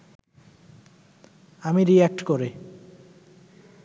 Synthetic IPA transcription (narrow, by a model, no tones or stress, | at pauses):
amiɾiɛk̚ʈkoɾe